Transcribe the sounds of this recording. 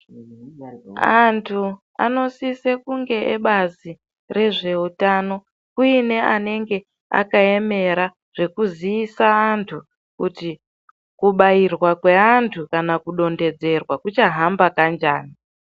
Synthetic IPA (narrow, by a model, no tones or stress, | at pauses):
antʰu | a̰no̞sisekuŋɡe̞ʔeɓazi | re̞ʐe̞utano̞ | kuine̞ane̞ŋɡe̞ | a̰kae̞me̞ɾa | ʐ̥e̞kuziisaːntʰu | kuti | kuɓairwakwe̞antʰukanakuɗo̞nde̞d͡ze̞rwakut͡ʃaɦambakand͡ʒaːni